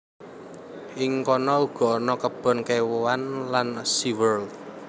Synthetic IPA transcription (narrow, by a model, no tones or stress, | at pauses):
ʔɪŋkɔnɔuɡ̥ɔ̤nɔkəb̥ɔ̤nkewoanlansiwərl